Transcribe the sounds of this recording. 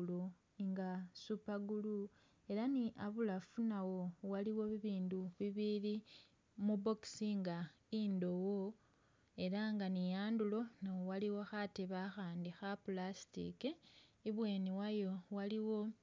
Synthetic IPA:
lo | ŋɡasupaɡulu | e̞ɾaniʔaβulafunawo̞waliwo̞βiβiːnduβiβili | mubo̞ksiŋɡa | indo̞wo | e̞ɾaŋɡanijaːndulo̞nawowaliwo̞xateβaxaːndixapulasi̥tḭkeiβwe̞ːniwajo̞waliwo̞

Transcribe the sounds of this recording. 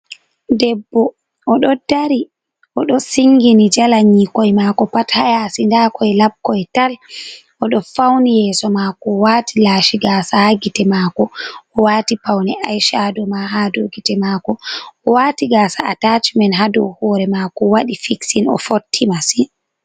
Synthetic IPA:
dɛbːɔ | ʔɔɗɔdaɾi | ʔɔɗɔsiŋɡinid͡ʒalaɲikɔjmakɔpathajasindakʰɔjlab̚kɔjtalʔɔɗɔfawnijɛsɔmakɔwaːtilaːʃiɡaːsahaɡitɛmaːkɔɔwaːtipawnɛʔajʃadɔmaɦadoɡitɛmaːkɔɔwaːtiɡaːsaʔatat͡ʃmɛnɦadɔ̰hɔɾɛmakɔwaɗifiksinɔ̰fotʰːimasi

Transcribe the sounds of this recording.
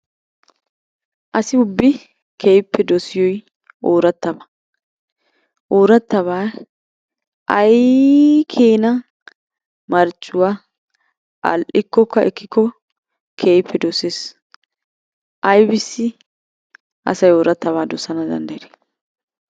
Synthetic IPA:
ʔɐsɪʊbːɪ | kʰeːpːɛd̪ɔsɪjɔj | ʔoːɾɐt̪ːɐbɐ | ʔoːɾɐt̪ːɐβaː | ʔɐjkʰeːnɐ | mɐɾt͡ʃʼːʊwa | ʔɐ̰lʔɪkːɔkːɐʔɛkːɪkːɔ | kʰeːjpʰːɛd̪ɔseːs | ʔɐjbɪsːɪ | ʔɐ̰sɐjoːɾɐt̪ːɐβaːd̪ɔsɐnɐd̪ɐ̰nd̪ɐjɾe̥

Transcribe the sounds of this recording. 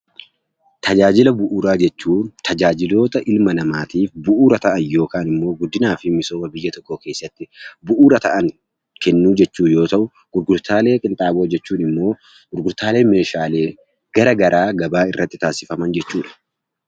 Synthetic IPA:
t̪ʰɐd͡ʒaːd͡ʒɪlɐbʊʔuːɾaːd͡ʒɛt͡ʃːuːt̪ʰɐd͡ʒaːd͡ʒɪlo̞ːt̪ɐʔɪlmɐnɐmaːt̪iːfbʊʔuːɾɐt̪ɐʔɐnjo̞ːkaːnɪmːo̞ːɡʊd̪ːɪnaːfɪmɪso̞ːmɐbɪjːɐt̪ɔkːoke̞ːsːɐt̪ːɪbʊʔuːɾɐt̪ɐʔɐŋ | kɛnːuːd͡ʒɛt͡ʃːuːjo̞ːt̪ɐʔʊ | ɡ̥ʊɾɡʊɾt̪aːle̞ːkʼɪnt̪ʼaːbo̞ːd͡ʒɛt͡ʃːuːnɪmːo̞ː | ɡ̥ʊɾɡʊɾt̪aːle̞ːme̞ːʃaːle̞ː | ɡ̥ɐɾɐɡɐɾʔaːɡɐbaːɪrːɐt̪ːɪt̪aːsɪfɐmɐnd͡ʒɛt͡ʃːuːᶑɐ̥

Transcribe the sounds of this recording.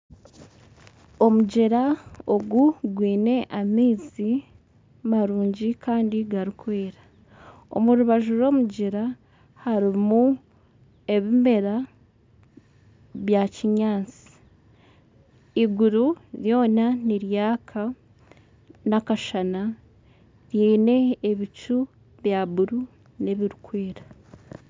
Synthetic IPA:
o̞muɟeɾao̞ɡuɡwiːne̞ʔamiːzi | maɾuːɲɟikʰaːndiɡaɾikwe̞ːɾa | o̞̰muɾuβaʒuɾo̞ːmuɟeɾa | haɾimu | e̞βime̞ɾa | βjaciɲaːt͡si̥ | iɡuɾuɾjo̞ːnaniɾjaːkʰa | nakaʃana | ɾjeːne̞ːβit͡ʃu | βjaβuɾu | ne̞βiɾikwe̞ːɾḁ

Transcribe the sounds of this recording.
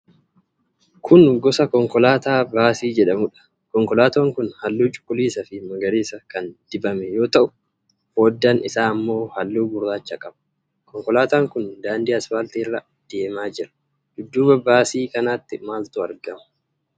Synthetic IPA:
kʰʊnɡɔsɐkɔŋkɔlaːt̪aːbaːsiːd͡ʒɛᶑɐmʊᶑɐ̥ | kɔŋkɔlaːt̪oːŋkʊnhɐlːuːt͡ʃʼʊ̥kʼːʊliːsɐfɪmɐɡɐɾiːsɐkɐnd̪̥ɪbɐmɛjo̞ːt̪ɐʔʊ̥ | fo̞ːd̪ːaːnɪsaːɐmːo̞ːhɐlːuːbʊrːaːt͡ʃːɐkʼɐbɐ̥ | kɔŋkɔlaːt̪aːŋkʊnd̪aːnd̪iɐsfaːlt̪iːrːɐ | d̪̥e̞ːmaːd͡ʒɪɾɐ̥ | d̪̥ʊd̪ːuːbɐbaːsiːkɐnaːt̪ːɪmaːlt̪ʊɐɾɡɐmɐ̥

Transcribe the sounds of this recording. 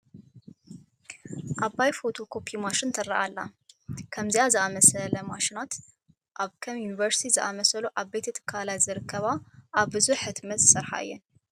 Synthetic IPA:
ʔaβajfo̞t̪ʰo̞kʰo̞pʰimaʃɪnt̪ʰɐrːɐʔalːakʰɐmziʔazɨʔamɐsɐlɐmaʃinat̪ | ʔaβkʰɐmjunivɐɾsi̥t̪ʰizɨʔamɐsɐluʔaβbet̪ʰɐt̪ʰɨ̥kʰːalajzɨɾɨkʰːɐβaʔaβbɨzuħɨt̪mɐt̪sɨɾħa̰ɨ̰jːɛ̰n

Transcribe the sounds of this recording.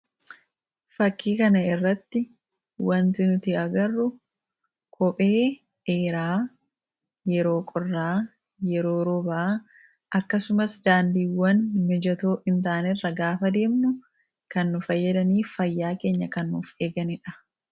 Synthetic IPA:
fɐkːiːkɐnɐɪrːɐt̪ːɪ | wɐnt̪ɪnʊt̪ɪɐɡɐrːʊ | kʰɔpʼe̞ː | eːɾaː | jɛɾo̞ːkʼɔrːaː | jɛɾo̞ːɾɔbaː | ʔɐkːɐsʊmɐsd̪aːnd̪iːwːɐnmɛd͡ʒɐt̪oːʔɪnt̪aːnɪrːɐɡaːfɐd̪e̞ːmnʊ | kɐnːʊfɐjːɐd̪ɐniːfɐjːaːke̞ːɲːɐkɐnːufe̞ːɡɐnɪᶑɐ̥

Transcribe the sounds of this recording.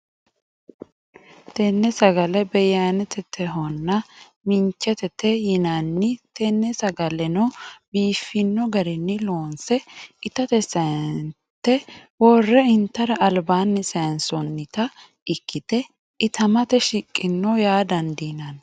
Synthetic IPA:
t̪ɛnːɛsɐɡɐlɛbɛjanɛt̪ɛt̪ʰɛɦɔnːɐ | mɪɲt͡ʃːɛt̪ɛt̪ɛjɪnɐnːɪt̪ɛnːɛsɐɡɐlɛnɔbiːfːɪnːɔɡɐɾɪnːɪloːnsɛɪt̪ɐt̪ɛsɐn | t̪ːɛwɔrːɛɪnt̪ːɐɾɐʔːlbaːnːɪsɐnsɔnːɪt̪ɐ | ɪkːɪt̪ɛ | ɪt̪ɐmɐt̪ɛʃɪkʼːɪnːɔjaːd̪ɐnd̪iːnɐn

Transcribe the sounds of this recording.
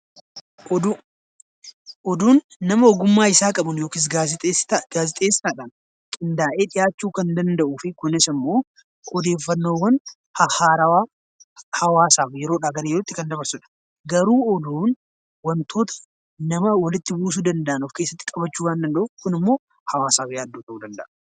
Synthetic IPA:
ʔɔd̪uːnː | ɐmɐɔɡʊmːaːɪsaːkʼɐbɐnjo̞ːkɪs̬ | ɡaːzɪt̪ʼeːsɪ̥t̪aːᶑaːn | kʼɪnd̪aːʔe̞ːᶑɪjaːt͡ʃːuːkɐnd̪ɐnd̪ɐʔuːfɪkʊnɪsɪmːo̞ː | ɔd̪eːfːɐnːo̞ːwɐn | hɐhaːɾɐwaː | hɐwaːsaːfjɛɾoːᶑaːɡɐɾɐjɛɾot̪ːɪkɐnd̪ɐbɐɾsʊᶑɐ̥ | ɡɐɾuːɔd̪uːn | wɐnt̪ʰo̞ːt̪ʰɐ̥ | nɐmɐwɐlɪt̪ːɪbuːs̬ud̪ɐnd̪ɐʔɐnʊfkeːsːɐt̪ːɪ̥kʼɐbɐt͡ʃːuːwaːnd̪ɐnd̪ɐʔʊkʊnɪmːo̞ː | hɐwaːsaːfjaːd̪ːuːt̪ɐʔuːd̪ɐnd̪ɐ̰ʔn

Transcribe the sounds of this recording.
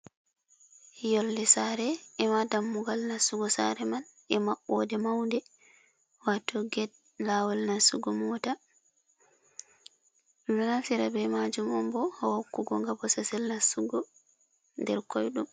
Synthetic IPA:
jɔlːɛsaɾɛɛmadamːuɡalnasuɡɔsa̰ɾɛman | ɛmaʔɔdɛmawndɛ | watːɔɡɛd̚ | laːwalnasuɡɔmɔta | iminasiɾabɛmad͡ʒumɔmbɔhɔhokːuɡɔŋɡabɔsasɛlnasuɡɔ | ndɛɾkɔjɗum

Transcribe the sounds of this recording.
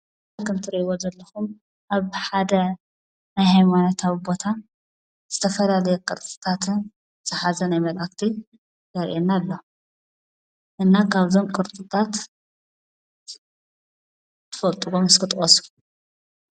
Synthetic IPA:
kʰɨmt̪ʰɨɾiʔiwozɐlːɐxum | ʔaβħad̪ɐ | najhajmanat̪ʰaβibo̞t̪ʰa | z̥ɨt̪ʰɐfɐlalɐjɛkʼɨɾt̪ʼɨ̥t̪ʰat̪n | zʰɨħazɐnajmɐlʔakt̪ʰi | ɡɐɾʔenːalːo | ʔɨnːakʰaβzo̞mkʼɨɾt̪ʼɨt̪ʰʼat̪ | t̪ʰɨ̥fɐlt̪ʼuɡomɨskʰɨt̪ʼɔsku

